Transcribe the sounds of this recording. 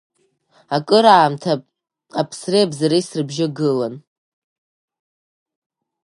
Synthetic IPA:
akʼɨɾaːmtʰa | apʰsreabzaɾejsrɨbʒɪɡɨlan

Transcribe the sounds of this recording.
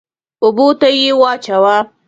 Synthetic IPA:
ʊbot̪ajewɑt͡ʃawa

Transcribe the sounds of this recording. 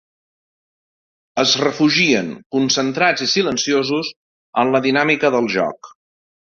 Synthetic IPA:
əzrəfuʒiəŋkunsənt̪ɾad͡zisilənsiozuz | ənləðinamikəðəlˠʒɔ̰k

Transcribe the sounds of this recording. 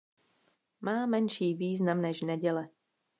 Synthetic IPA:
maːmɛnʃiːviːznamnɛʒnɛɟɛlɛ

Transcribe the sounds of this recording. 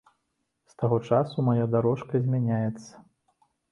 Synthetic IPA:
st̪aɣɔt͡ʂasumajad̪aɾɔʂkɐzʲmʲanʲajɛt̪sːɐ̥

